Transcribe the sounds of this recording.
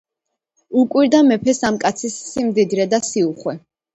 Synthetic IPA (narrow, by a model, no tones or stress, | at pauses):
ukʼwiɾd̪amɛpʰɛsamkʼat̪sʰisːimd̪id̪ɾɛd̪asiuχwɛ